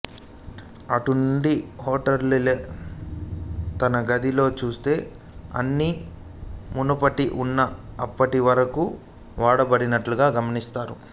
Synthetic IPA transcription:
ɐʈunɳɖihoːʈɐɾlileː | t̪ɐnɐɡɐd̪ilo̞ːt͡ʃuːst̪e̞ː | ɐ̰nːi | munupɐʈiʔunːɐːpːɐʈiʋɐɾɐku | ʋaːɽɐbɐɽinɐʈluɡaːɡɐmɐnist̪aːɾu

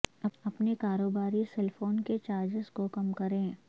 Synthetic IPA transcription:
ɐɐpnekaːɾoːbaːɾisɛlfʰoːnket͡ʃaːɾd͡ʒɪzkokɐmkɐɾẽː

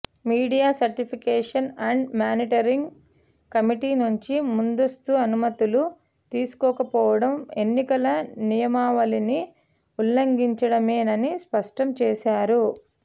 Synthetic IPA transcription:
miːɽijaːsɐɾʈipʰikɛːʂɐnɐɳɖmaːniʈɐɾiŋɡ | kɐmiʈiːnuɲt͡ʃimund̪ost̪uɐnumɐt̪ulu | t̪iːsu̥kɔːkɐpɔːʋɐɽɐme̞nːikɐlɐnijɐmaːʋɐlini | ulːɐŋɡiɲt͡ʃɐɽɐmeːnɐnispɐʂʈɐmt͡ʃɛːsaːɾu

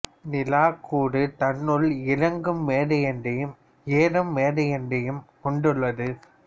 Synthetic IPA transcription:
nɪlaːkʰːuːɽɯt̪ɐnːɯlɪɻɐŋɡɯmːeːɽɐjɛndɐjɯm | eːɾɯmːeːðɐjɛndɐjɯmkɔɳɖɯɭːɐðɯ

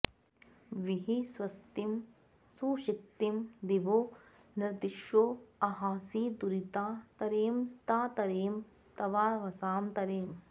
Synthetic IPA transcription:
ʋiɦiswɐst̪im | suːʃik̚t̪imd̪iʋoː | niɾd̪iʃjoːɐɦaːsiːd̪uɾit̪aːt̪ɐɾeːmst̪aːt̪ɐɾeːm | t̪ɐʋaːʋɐsaːmt̪ɐɾeːm

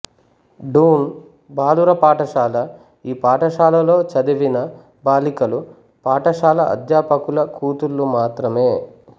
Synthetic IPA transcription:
ɖuːn | baːluɾɐpaːʈɐʃaːlɐ | iːpaːʈɐʃaːlɐlo̞ːt͡ʃɐd̪iʋinɐ | baːlikɐlu | paːʈɐʃaːlɐɐ̰d̪jaːpɐkulɐkuːt̪ulːumaːt̪ɾɐme̞ː

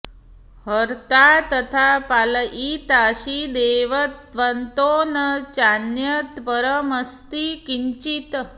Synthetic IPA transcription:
ɦəɾt̪at̪ət̪ʰapaləʔit̪aɕid̪eʋət̪ʋənt̪onət͡ʃanjət̪pəɾəməst̪ikiɲt͡ʃit̪

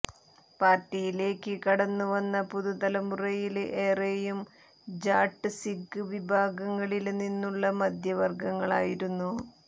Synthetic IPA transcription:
paːrtːijile̞ːkːɨkɐɽɐnːuʋɐnːɐpuðud̪ɐlɐmurɐjilʔe̞ːrejum | d͡ʑaːʈːɨsikːɨʋibʱaːɡɐŋːɐɭilninːuɭːɐmɐd̪ʱjɐʋɐrɡɐŋːɐɭaːjiɾunːu

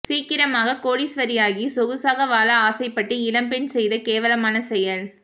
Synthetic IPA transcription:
siːkɪɾɐmaːɣɐkoːɽisʋɐɾɪjaːɣisɔɣɯsaːɣɐʋaːlɐaːsɐɪpːɐʈːɯɪlɐmpɛnsɛjðɐkeːʋɐlɐmaːnɐsɛjɐl

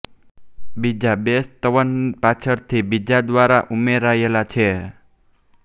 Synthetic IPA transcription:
bid͡ʒabest̪əʋənpat͡ʃʰəɾt̪ʰibid͡ʒad̪ʋaɾaʔumeɾaelat͡ʃʰe

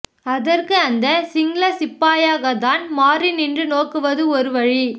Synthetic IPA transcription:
ɐðɐrkɯɐnd̪ɐsɪŋɡlɐsɪpːaːjaːɣɐt̪aːnmaːɾinɪndrɯnoːkːɯʋɐðɯɔɾɯʋɐɻi

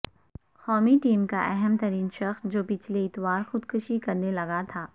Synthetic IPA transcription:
xɔːmiʈiːmkaʔɛɦɛmt̪ɐɾiːnʃɐxsd͡ʒoːpɪt͡ʃʰleɪt̪ʋaːɾxʊd̪kʊʃikɐɾnelɐɡat̪ʰaː

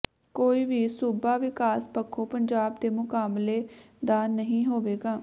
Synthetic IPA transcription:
koːiːʋiːsuːbaːʋɪkaːspəkʰːoːpəɲd͡ʒaːb̚d̪eːmʊkaːbleː | d̪aːnəɦĩːɦoːʋeːɡaː

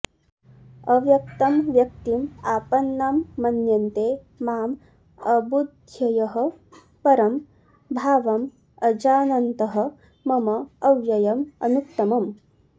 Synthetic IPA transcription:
ɐʋjɐk̚t̪ɐmʋjɐk̚t̪imaːpɐnːamːɐnjɐnt̪eː | maːm | ɐbud̪ʱjɐjɐɦɐ̆ | pɐɾɐm | bʱaːʋɐm | ɐd͡ʒaːnɐnt̪ɐɦɐ̆ | mɐmɐːʋjɐjɐmɐ̰nuk̚t̪ɐmɐm

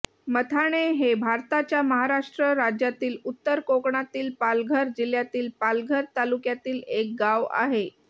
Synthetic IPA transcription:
mət̪ʰaɽ̃eɦebʱaɾt̪at͡ɕjaməɦaɾaʂʈɾəɾad͡ʑjat̪iːlut̪ːəɾkokɳat̪iːlpalɡʱəɾd͡ʑiljat̪iːlpalɡʱəɾt̪alukjat̪iːlek̚ɡaʋa̰ɦe

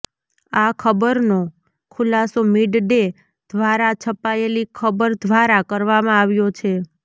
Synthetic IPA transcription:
akʰəbəɾno | kʰulasomiɖɖe | d̪̥ʱʋaɾat͡ʃʰəpaelikʰəbəɾd̪ʱʋaɾakəɾʋamãaʋjot͡ʃʰe

